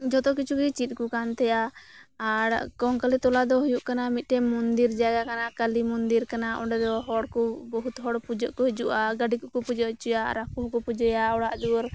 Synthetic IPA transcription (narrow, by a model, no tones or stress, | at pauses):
d͡ʒɔt̪ɔk̬it͡ʃʰukit͡ʃit̪̚ˀkukant̪ɛjaː | ɾkɔŋkəlit̪ɔlad̪ɔɦujuʔkanamit̪̚ˀʈɛmɔnd̪iɾd͡ʒaɡakanakalimund̪iɾkanaʔɔ̰ɖɛd̪ɔɦɔɽkɔbɔɦut̪ɦɔɽpud͡ʒɔʔkɔɦɛd͡ʒuʔaɡəɖikuʔkɔpud͡ʒəʔt͡ʃujaɾakuɦkɔpud͡ʒəjaɔɽaʔd̪uɾ